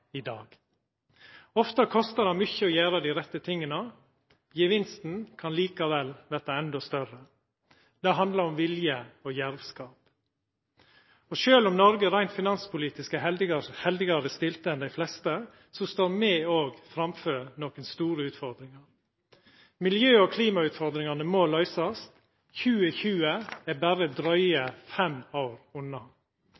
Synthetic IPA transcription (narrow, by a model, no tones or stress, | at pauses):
ɪd̪ɑːɡ | ɔft̪əkʰɔst̪əd̪ɑmʏçəɔjæːɾəd̪iɪɾɛt̪ːət̪ʰɪŋːənə | jəʋɪnst̪n̩kʰɑnliːkɑʋɛlʋæːt̪ɑɛnd̪ɔst̪œɾə | d̪ɛɦɑnd̪ləɾɔmʋɪljəɔjæɾʋskɑːp | ɔʃøːlɔmnɔɾɡəɾæɪnt̪fɪnɑnspʰʊliːt̪ɪskəɛld̪ɪɡɑhɛld̪ɪɡɑɾəst̪ɪlt̪əɛnd̪æɪflɛst̪ə | sɔst̪oːɾmɛːoːɡfɾɑmføːɾnoːkənst̪uːɾəʉːt̪fɔɾd̪ɾɪŋɑɾ | mɪljøːɔkʰliːmɑʉːt̪fɔɾd̪ɾɪŋɑnəmoːlœʏsɑst̪ | çʉːəçʉːəæbæɾəd̪ɾœʏəfɛmaʊɾʊnːɑ